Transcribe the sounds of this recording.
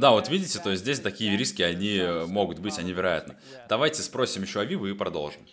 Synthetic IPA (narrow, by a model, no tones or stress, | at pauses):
d̪avo̞t̪vʲidʲɪtʲɪt̪ojsʲt̪ʲzʲdʲesʲt̪ɐkʲijəɾʲiskʲɪɐnʲimo̞ɡʊt̪bɨtʲɐnʲivʲɪɾɐja̰t̪nə | d̪ɐvajtʲɪspɾo̞sʲɪmjɪɕːoɐvʲivʊipɾɐd̪o̞lˠʐɨm